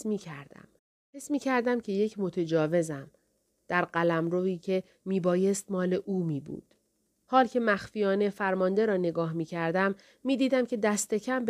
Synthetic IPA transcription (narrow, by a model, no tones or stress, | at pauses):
miːkʰæɾd̪æ̰m | hesmiːcʰæɾd̪æmcʰe̞je̞cʰmo̞t̪ʰe̞d͡ʒɒːve̞zæm | d̪̥æɾɢælæmɾoiːcʰe̞ | miːbɒːje̞st̪mɒːle̞ʔuːmiːbṵːd̪̥ | hɒːlcʰe̞mæxfijɒːne̞fæɾmɒːnd̪e̞ɾɒːne̞ɡɒːɦmiːcʰæɾd̪æmː | iːd̪iːd̪æmcʰe̞d̪æst̪e̞cʰæmb